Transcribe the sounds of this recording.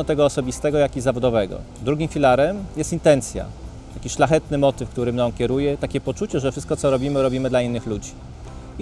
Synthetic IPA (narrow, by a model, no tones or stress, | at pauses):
ɔt̪ɛɡɔːsɔbʲist̪ɛɡɔjakʲizavɔd̪ɔvɛɡɔ̰ | d̪ɾuɡʲimfʲilaɾɛmjɛst̪int̪ɛnt̪sʲja̰ | t̪akʲiʂlaxɛt̪nɘmɔt̪ɘfkt̪uɾɘmnɔ̃ŋkʲɛɾujɛt̪akʲɛpɔt͡ʂut͡ɕɛʐɛfʂɘst̪̚kɔt̪sɔɾɔbʲimɘɾɔbʲimɘd̪lainːɘxlud͡ʑi